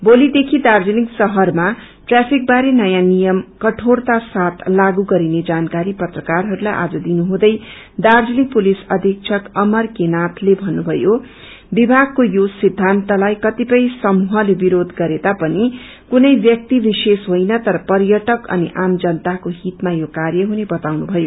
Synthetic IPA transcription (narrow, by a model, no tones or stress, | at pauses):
bolid̪ekʰid̪ard͡zʌniksʌɦʌrma | ʈrapʰik̚baɾenʌjãnijʌmkʌʈʰort̪asat̪ʰlaɡuɡʌɾined͡zankaɾipʌt̪rʌkarɦʌɾulajʔa̰d͡zʌd̪inuɦũd̪ʌj | d̪ard͡zʌnik̚pulisʌd̪ʱik̚t͡sʰʌkʌmʌrkenat̪ʰlebʱʌnːubʱʌjo | bibʱaɡ̚kojosid̪ʱːant̪ʌlajkʌt̪ipʌjsʌmuɦʌlebiɾod̪ʱɡʌɾed̪apʌni | kunʌjbjʌk̚t̪ibisesɦojnʌt̪ʌɾʌpʌrjʌʈʌkʌ̰niʔamd͡zʌnt̪akoɦit̪majokarjʌɦunebʌt̪awnubʱʌjo